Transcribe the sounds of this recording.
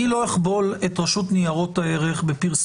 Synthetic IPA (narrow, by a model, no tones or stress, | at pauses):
ilo̞eχbo̞letʁaʃutnijaʁo̞thaeʁeχbepiʁs